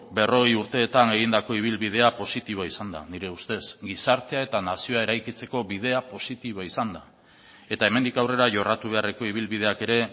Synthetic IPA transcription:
be̞ro̞ɣ̞ejuɾt̪e̞ːt̪ane̞ɣ̞ind̪ako̞iβ̞ilβið̞e̞apo̞sit̪iβ̞oaisand̪a̰niɾe̞ust̪e̞sɡisaɾt̪e̞ae̞t̪anasio̞ae̞ɾajkit͡se̞ko̞βið̞e̞apo̞sit̪iβ̞oaisand̪a | e̞t̪ae̞me̞nd̪ikawre̞ɾaʝo̞rat̪uβ̞e̞areko̞iβ̞ilβið̞e̞ake̞ɾe̞

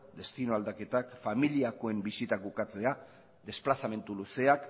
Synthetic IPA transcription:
d̪e̞st̪inoald̪ake̞t̪akfamiliako̞e̞mbisit̪akukat͡se̞a | d̪e̞splasame̞nt̪uluse̞ak

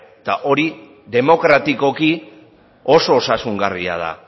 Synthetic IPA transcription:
t̪aʔo̞ɾi | ðe̞mo̞kɾat̪iko̞ki | o̞so̞ːsasuŋɡaria̰ð̞a̰

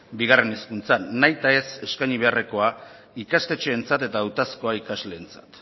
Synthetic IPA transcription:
biɣ̞are̞neskunt͡sanajt̪ae̞se̞skajɲiβ̞e̞are̞ko̞a | ikast̪e̞t͡ʃe̞ːnt͡sat̪e̞t̪aːwt̪asko̞aikazle̞ːnt͡sḁt̪

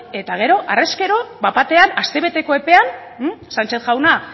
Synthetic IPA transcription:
e̞t̪aɣ̞e̞ɾo̞ʔareske̞ɾo̞bapat̪e̞anast̪e̞β̞e̞t̪e̞ko̞e̞pe̞an | sant͡ʃe̞θʝawna

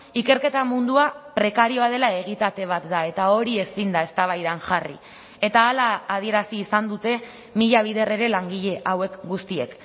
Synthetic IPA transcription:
ike̞ɾke̞t̪amund̪uapɾe̞kaɾio̞að̞e̞lae̞ɣit̪at̪e̞β̞at̪d̪ae̞t̪ao̞ɾie̞sind̪ae̞st̪aβ̞ajðaŋʝarḭ | e̞t̪aːlaːð̞ie̞ɾasiːsand̪ut̪e̞ | miʎaβ̞ið̞e̞re̞ɾe̞laŋɡiʎe̞ʔawe̞kɡust̪ie̞̰k

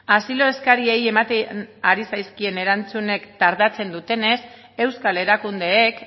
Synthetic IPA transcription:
asilo̞e̞skaɾie̞je̞mat̪eaɾisajskie̞ne̞ɾant͡sune̞kt̪aɾðat͡se̞nd̪ut̪e̞ne̞s | e̞wskale̞ɾakund̪e̞ːk

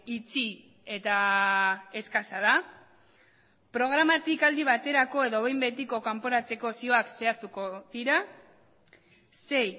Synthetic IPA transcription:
it͡si | e̞t̪a | e̞skasaða | pɾo̞ɣ̞ɾamat̪ikald̪iβ̞at̪e̞ɾako̞e̞ðo̞βe̞jmbe̞t̪̬iko̞kampo̞ɾat͡se̞ko̞sio̞akse̞ast̪uko̞ðiɾa | se̞j

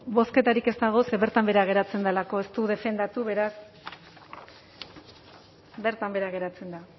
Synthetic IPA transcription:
bo̞ske̞t̪aɾike̞st̪aɣ̞o̞seβe̞ɾt̪ambe̞ɾaɣ̞e̞ɾat͡se̞nd̪alako̞e̞st̪uðe̞fe̞nd̪at̪uβe̞ɾas | be̞ɾt̪ambe̞ɾaɣ̞e̞ɾat͡se̞nd̪a

